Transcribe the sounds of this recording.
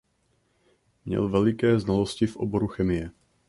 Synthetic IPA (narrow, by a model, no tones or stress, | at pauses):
mɲɛ̰lvɛlɪkɛːznaloscɪfʔoboɾuxɛmɪjɛ